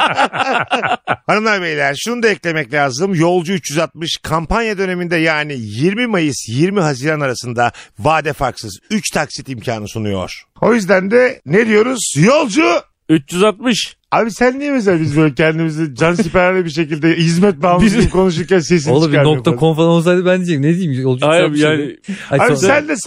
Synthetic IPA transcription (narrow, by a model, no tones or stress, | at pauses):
hanɯmlˠaɾbejilʲæɾʃunud̪aɛclʲe̞mɛclʲaːzɯmjo̞lˠd͡ʒuyt͡ʃjyzat̪̚mɯʃkʰampʰanjad̪ø̞ne̞mind̪ɛjaːnijiɾmimajɯsjiɾmiɦaziːɾanaɾasɯnd̪avaːd̪ɛfaɾksɯzyt͡ʃt̪ʰaksit̪imcʰaːnɯsunujo̞̰ɾ̥o̞jyzd̪ænd̪ɛne̞d̪ijo̞ɾuz̥jo̞lˠd͡ʒʊ | yt͡ʃt͡ʃyzat̪̚mɯʃ | abisænːijemis̬abizbølʲɛcʰɛnd̪imizid͡ʒans̬ipɛɾæɾlʲɛbiɾʃ̬e̞cilʲd̪ɛhizmɛt̪̚baːmkʰo̞nuʃ̬uɾcʲanses̬iolˠabinok̪ʰakʰonfɾanolˠs̬ajd̪ɯbænd̪id͡ʒined̪ijimjolˠd͡ʒuajbjaːnɪ | abisænd̪ɛs